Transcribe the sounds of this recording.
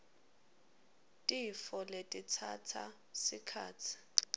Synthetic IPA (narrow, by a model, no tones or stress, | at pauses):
tʼifɔletʼitʰatʰa | sikʰaːt͡sʰi̥